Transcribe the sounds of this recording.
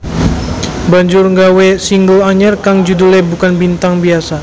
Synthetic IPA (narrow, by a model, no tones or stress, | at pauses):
baɲd͡ʒʊrŋɡawesiŋɡəlaɲərkaŋd͡ʒudulɛbukanbint̪aŋbiasa